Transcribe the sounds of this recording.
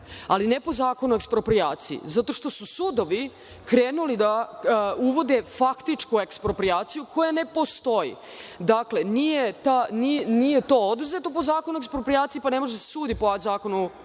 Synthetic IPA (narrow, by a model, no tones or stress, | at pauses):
alinepo̞zaːko̞nuekspɾo̞pɾijaːt̪sḭḭzat̪o̞ʃt̪o̞susud̪o̞ʋi | kɾeːnulid̪a | uʋo̞d̪efakt̪it͡ʂkuekspɾo̞pɾiaːt̪sijukʰo̞jane̞po̞st̪o̞jḭ | d̪akle̞nijet̪aninijet̪o̞od̪uze̞t̪o̞po̞zaːko̞nuekspɾopɾijaːt̪sijipanemo̞ʒeasesuːd̪ipozaːko̞nu